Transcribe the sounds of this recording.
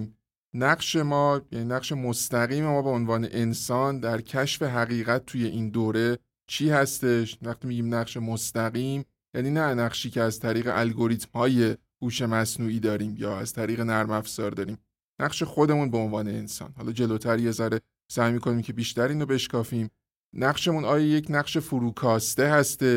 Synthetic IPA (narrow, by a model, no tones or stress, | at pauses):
m | næɢʃe̞mɒːjæninæqʃe̞mo̞st̪æɣiːmemɒːbeonvɒːne̞ʔe̞nsɒːnd̪æɾcʰæʃfe̞ɦæɣiːɣæt̪̚ʰːuje̞ʔind̪oːɾe̞ | t͡ʃʰiːhæst̪e̞ʃvæχt̪iːmiɟiːmnæʁʃe̞most̪æɣiːm | jæniːnænæʁʃiːcʰe̞æzt̪ʰæɾiːɣe̞̰ʔælɡo̞ɾiːt̪mhɒːje̞ | huːʃe̞mæsnuːiːd̪ɒːɾiːmjɒːæz̥t̪ʰæɾiːɣe̞næɾmæfz̥ɒːɾd̪ɒːɾiːm | næqʃe̞xo̞d̪e̞munbe̞onvɒːne̞ensɒ̰ːnhɒːlɒːd͡ʒe̞loːt̪ʰæɾijezæɾe | sæjmiːkʰo̞niːmcʰe̞biːʃt̪æɾiːnobe̞ʃkʰɒːfiːm | næɢʃe̞munɒːjɒːje̞cʰnæqʃe̞fuɾuːkʰɒːst̪e̞ɦæst̪e̞